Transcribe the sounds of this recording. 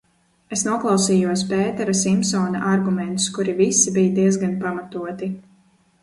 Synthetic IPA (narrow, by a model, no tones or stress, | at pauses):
esnuɔklˠɑwsiːjuɔspeːt̪ɛɾasimpsɔːnaʔaɾɡumɛnt̪u̥skuɾivisibijad̪iɛzɡanpamat̪uɔt̪i